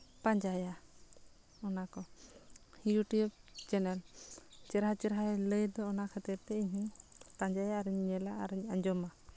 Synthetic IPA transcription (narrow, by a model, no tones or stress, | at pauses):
paɲd͡ʒaja | ɔnakɔ | hijuʈijup̚t͡ʃɛnɛlt͡ʃɛɾɦat͡ʃɛɾɦaɛləjd̪ɔːnakʰɛt̪ɛp̚t̪ɛiɲɦiŋt̪aɲd͡ʒajaːɾɛɲɛlaʔaɾɛaɲd͡ʒɔma